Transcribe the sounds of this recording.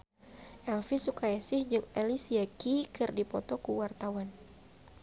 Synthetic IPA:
ʔɛlfisukajasɪhd͡ʒɨŋɛlisiakikɨrdipɔt̪ɔkuwart̪awan

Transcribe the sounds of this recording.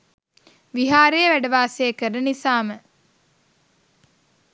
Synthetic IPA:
ʋiɦaːɾejəʋæɖəʋaːsejəkəɾənisaːmə

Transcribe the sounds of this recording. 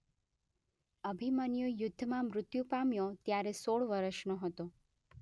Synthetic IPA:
əbʱimanjojʊd̪ʱːəmãmɾʊt̪jupamjot̪jaɾesoɭʋəɾəʃnoɦət̪o

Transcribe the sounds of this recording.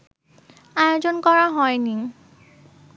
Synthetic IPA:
ajozɔnkɔɹaɦɔjni

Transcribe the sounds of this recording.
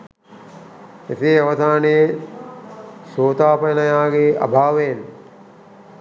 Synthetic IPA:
eseːɐʋɐd̪aːne | soːt̪aːpɐjnɐjaːɡeɐ̰bʱaːʋejen

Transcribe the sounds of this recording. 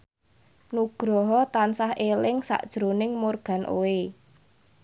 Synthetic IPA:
nuɡ̥ɾɔɦɔt̪ansahelɪŋsa̰ʔd̥ʒ̥ɾonɪŋmorɡ̥a̤nʔo̰e

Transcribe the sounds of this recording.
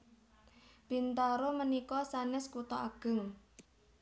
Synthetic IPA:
b̥i̤nt̪aɾomənikɔsanɪskut̪ɔaɡ̥ə̤ŋ

